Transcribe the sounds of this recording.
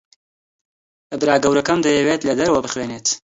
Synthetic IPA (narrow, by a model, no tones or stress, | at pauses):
ɨbɾaːɡɐwɾɐkɐmd̪ɐjɛweːt̪lɐd̪ɐɾɐwɐbɨxweːneːt̪